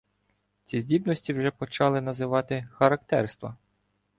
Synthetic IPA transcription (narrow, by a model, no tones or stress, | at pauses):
t͡sʲizʲdʲibnɔsʲtʲiwʒɛpɔt͡ʃɑlˠɪnɐzɪʋɑt̪ɪxɐɾɐk̚t̪ɛrst̪ʋɐ